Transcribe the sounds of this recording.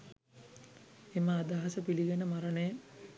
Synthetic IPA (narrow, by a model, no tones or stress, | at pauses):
eməad̪aɦasəpiliɡenəmaɾənəjə